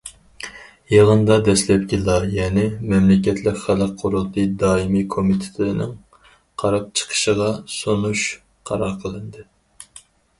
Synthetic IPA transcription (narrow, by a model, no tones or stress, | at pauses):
jeʁənd̪ɑd̪ɛslɛp̚kʲilɑjɛnɪmɛmlɪkʲɛt̪ʰlɪkʲχælɨk̚qʰːoɾʊt̪ʰɨd̪ɑːimikʰomit̪ʰɪ̥t̪ʰɪlɪnɪ̰ŋ | qʰɑɾɑp̚t͡ʃʰə̥qʰə̥ʃəʁɑsonuʃ | qʰɑɾɑɾqʰəlˠɨnd̪ɨ